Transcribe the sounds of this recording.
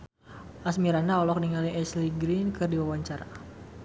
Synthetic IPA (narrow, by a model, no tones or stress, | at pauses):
ʔasmiɾanaɔlɔkniŋaliʔɛsliɡɾinkɨrdiwawaɲt͡ʃaɾa